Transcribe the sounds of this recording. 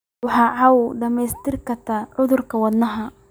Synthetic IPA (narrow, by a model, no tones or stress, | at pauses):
wɑħɑːʕawd̪ɐmɛjst̪ɪrkɐt̪ʰɐʕʊðʊrkʰɐwɐd̪nɐɦɐ